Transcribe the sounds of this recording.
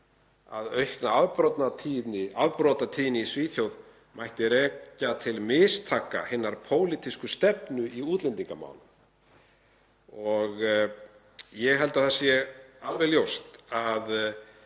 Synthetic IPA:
a̰ðœɥhknaaðpɾɔt̪nat̪ʰiːnɪʔaðpɾot̪at̪ʰiːnɪisviːθjowð | mʔajht̪ɪɾɛːcat̪ʰɪlmɪːst̪ʰaːka̰hɪnːaɾ̥pʰoːwlit̪iskʏst̪ɛpnʏʔiuːt̪lɛnt̪iŋkama̰ːwlʏm | ɔɣ | jɛɣɦɛlt̪aθɛsːjɛalvɛɣljowst̪að

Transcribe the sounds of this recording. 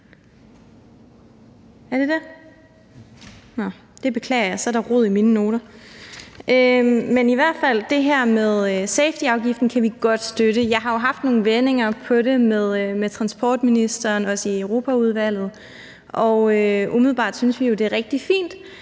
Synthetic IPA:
æɐd̥e̝d̥æ | nɒ | d̥e̝b̥e̝kʰlɛ̰ːɐjɑ̈ɪsɒ̽ɐɾ̥ɑ̈ʁo̝ð̰ˠiminəno̝ːɾɐ | ʔømeniʋæɐ̰d̥fæl̰d̥e̝ɦæɐ̰meðˠseɪfd̥iɑ̈ʊɡ̥ifd̥n̩kʰæʋiɡ̥ɒ̽d̥sd̥øɾəjɑ̈ɪɦɑ̈jo̝ɦɑ̈fd̥no̝ːn̩ʋene̝ŋɐpʰɒ̽ɾe̝meðˠmet͡sʰʁɑ̈nsb̥ʰɒ̰ːd̥minisd̥ɐːnɒ̽səiəʊʁo̝ːpʰæuð̞ˠʋæl̰ð̞̩ˠ | ʔɒ̽ʊøʔumiðˠl̩ˠb̥ɑ̰̈ːd̥synsʋijo̝d̥e̝æʁɛɡ̥̚d̥ifḭːnd̥

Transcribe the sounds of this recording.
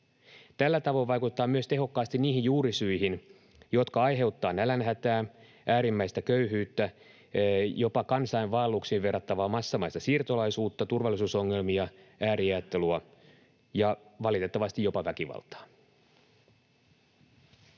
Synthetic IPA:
t̪ælːæt̪ɑʋo̞iʋʋɑjkut̪t̪ːɑːmyøst̪e̞ɦo̞kːɑːst̪inniːɦijjuːɾisyiɦin | jo̞t̪kɑɑjɦe̞wt̪ːɑːnælænɦæt̪æː | ʔæːɾimːæjst̪ækøyɦyːt̪ːæ | jo̞pɑkɑnsɑiʋʋɑːlːuksiːʋʋe̞rːɑt̪ːɑʋɑːmɑsːɑmɑist̪ɑsiːrt̪olɑisuːt̪ːɑt̪urʋɑlːˑisuːso̞ŋːe̞lmiɑʔæːɾiɑjæt̪ːeluɑ | jɑʋɑlit̪e̞t̪ːɑʋɑst̪ijo̞pɑʋækiʋɑ̰lt̪ˑɑ̥ː

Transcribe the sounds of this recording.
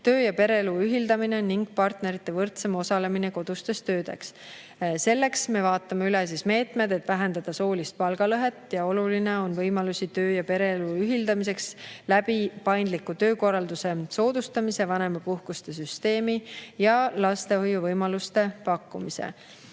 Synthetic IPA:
t̪ø̞ːjɑpe̞ɾe̞eluyɦild̪ɑmine̞niŋɡ̥̚pɑrt̪ne̞ɾit̪ːˑe̞vɤrt̪semo̞sɑle̞mine̞ko̞d̪̥ust̪e̞st̪ø̞ːd̪̥e̞̰ks | se̞lːe̞ksme̞vɑːt̪ːˑɑmeyles̬isme̞ːt̪ˑme̞d̪e̞t̪ːˑvæɦend̪ɑd̪̥ɑso̞ːlist̪̚pɑlɡ̥ɑlɤɦe̞t̪ːjɑo̞luline̞o̞nvɤjmɑlusʲit̪ø̞ːjɑpe̞ɾe̞eluyɦild̪ɑmis̬e̞kslæb̥ipɑjnd̪likːˑut̪ø̞ːko̞rːɑld̪use̞so̞ːd̪̥ust̪ɑmise̞vɑne̞mɑpuhkust̪e̞s̬yst̪e̞ːmijɑlɑst̪e̞hojuvɤjmɑlust̪e̞pɑkːumise̞̰

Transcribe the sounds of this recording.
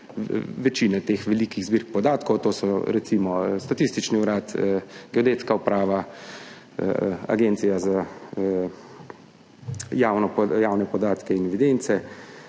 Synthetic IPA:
ʋɛt͡ʃiːnɛt̪eːxʋɛlikiɣzbiɾk̚pɔd̪aːt̪kɔwt̪oːsɔɾɛt̪simɔst̪at̪ist̪it͡ʃniuɾaːt̪əɡ̥ɛod̪eːt̪skaupɾaːʋa | a̰ɡent̪sijaza | jaːwnɔjawnɛpɔd̪aːt̪kɛinɛʋid̪ent̪sɛ

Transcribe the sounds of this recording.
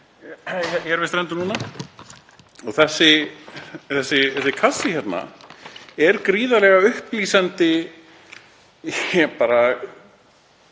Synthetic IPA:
ɛçɛɾvɛst̪ɾɛnt̪ʏnuːna | ɔɣθɛsːɪ | θɛsːɪθɛsɪkʰasɪçɛt̪na̰ | ɛɾkɾiːðalɛːɣaʏhpliːsant̪ɪ | ɛpaːɾa

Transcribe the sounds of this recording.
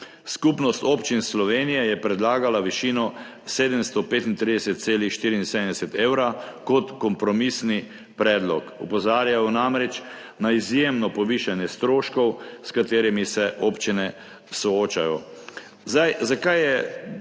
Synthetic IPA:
skupnɔst̪opt͡ʃinslɔʋenijɛjɛpɾɛd̪laːɡalaʋiʃinɔ | seːd̪əmst̪ɔpeːt̪int̪ɾid̪ɛsɛt̪̚t̪seːlixʃt̪iɾiinseːd̪ə̃md̪ɛsɛt̪eːwɾakɔt̪kɔmpɾɔmisni | pɾɛːd̪lɔkupɔzaːɾjajɔnamɾɛt͡ʃ | naizjemnɔpɔʋiːʃanjɛst̪ɾoːʃkɔwskat̪eːɾimisɛʔoːpt͡ʃinɛ | sɔoːt͡ʃajɔ | zajzakajjɛ

